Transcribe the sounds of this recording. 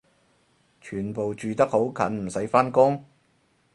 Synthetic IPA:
t͡ʃʰyː˨˩npo˨wt͡ʃyː˨t̪ɐ˥k̚ho˨˥wkʰɐ˨˥nm̩˨˩sɐ˨˥jfaː˥nkʊ˥ŋ

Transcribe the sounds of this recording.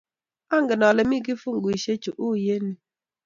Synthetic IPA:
a˦ŋɡɪ˨nɔ˨lɛ˨mi˦˨k̬i˦fu˦ŋ˨ɡi˨ʃe˦t͡ʃu˨ʔu˦je˦ni˨

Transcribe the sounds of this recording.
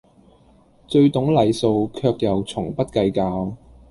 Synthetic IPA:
t͡sɵ˧ɥt̪ʊ˨˥ŋlɐ˨jso˨˧wkʰœː˧k̚jɐ˨˩wt͡sʰʊ˨˩ŋpɐ˥t̚kɐ˧jkaː˧w

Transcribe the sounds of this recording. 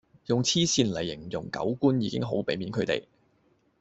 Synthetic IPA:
jʊ˨ŋt͡sʰiː˥siː˧nlɐ˨˩jːɪ˨˩ŋjʊ̰˨ŋkɐ̰˨˥wkuː˥njiː˨˧kɪ˥ŋɦo˨˥wpe˨˥jmiː˨˥nkʰɵ˨˧ɥt̪ḛ˨j

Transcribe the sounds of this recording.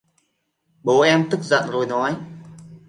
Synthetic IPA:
ɓoː˨˦ʔɛ˧mt̪ɨ˦˥k̚zə̰˧˨nzoː˨˩jnɔ˨˦j

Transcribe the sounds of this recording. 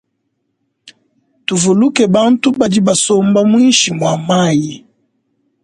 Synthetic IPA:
tu˨vu˨lu˦kɛ˨ba˦n˦tu˦ba˨di˦ba˨sɔ˦mba˦mwi˦nʃi˨mwa˨ma˦ji˨

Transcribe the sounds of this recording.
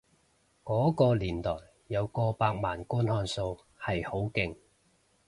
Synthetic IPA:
kɔː˨˥kɔː˧liː˨˩nt̪ɔː˨˩jːɐ˨˧wkɔː˧paː˧k̚maː˨˩nkuː˥nhɔː˧nso˧w | hɐ˨jho˨˥wkɪ˨˧ŋ

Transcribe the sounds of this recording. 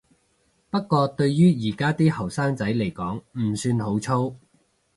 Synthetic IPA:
pɐ˥kkːɔː˧t̪ɵ˧ɥjyː˥jiː˨˩kaː˥t̪iː˥hɐ˨˩wsaː˥ŋt͡sɐ˨˥jle˨˩jkɔː˨˥ŋm̩˨˩syː˧nɦo˨˥wt͡sʰo˥w

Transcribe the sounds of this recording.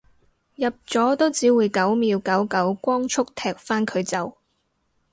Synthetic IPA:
jɐ˨p̚t͡sɔː˨˥t̪o˥wt͡siː˨˥wuː˨˧jkɐ˨˥wmiː˨˧wkɐ˨˥wkɐ˨˥wkʷɔː˥ŋt͡ʃʰʊ˥k̚t̪ʰɛː˨k̚faː˥nkʰɵ˨˧ɥt͡sɐ˨w

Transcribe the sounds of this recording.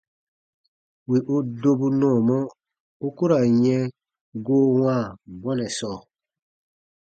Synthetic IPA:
wi˨ʔu˦do˦bu˦nɔ̃ː˦˨mɔ˦ | u˦ku˦ɾa˨ɲɛ̃˦ | ɡoː˦wã˦˨bɔ˦nɛ˨sɔ˦˨

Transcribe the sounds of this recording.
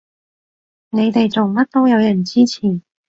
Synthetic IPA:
ne˨˧jt̪e˨jt͡so˨ŋmɐ˥t̚t̪o˥wjɐ˨˧wjɐ˨˩nt͡siː˥t͡sʰiː˨˩

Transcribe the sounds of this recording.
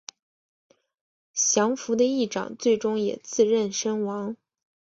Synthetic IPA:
ɕjɑ˧˥ŋfu˧˥d̪ə˧i˥˩ʈ͡ʂɑ̰˨˩ŋt͡swe˥˩ɪʈ͡ʂʊ˥ŋjɛ̰˨˩t͡sɹ̩˥˧ɻə˥˩nʂə˥nwɑ˧˥ŋ

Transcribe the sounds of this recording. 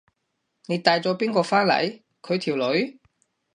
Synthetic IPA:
ne˨˧jt̪aː˨˧jt͡sɔː˨˥piː˥nkɔː˧faː˥nlɐ̰˨˥j | kʰɵ˨˧ɥt̪ʰiː˨˩wlɵ˨˧˥ɥ

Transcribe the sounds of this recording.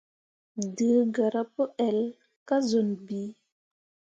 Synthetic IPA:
də˨˦ɡa˨ɾa˦pə˦ɛ˨l | ka˦zo˨nbi˨˦

